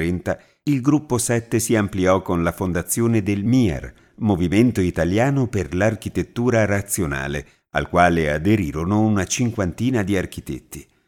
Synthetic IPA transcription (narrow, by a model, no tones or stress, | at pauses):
ɾɛnt̪a | ilɡɾupːosɛt̪ːesiampliɔkːonlafond̪at̪sːjoːned̪elmiɛ̰r | moviment̪oit̪aljaːnoperlark̟it̪et̪ːuːɾaɾat̪sjona̰ːle | a̰lkwaːlead̪eɾiːɾonounat͡ʃiŋkwant̪iːnad̪iarkit̪ḛt̪ːi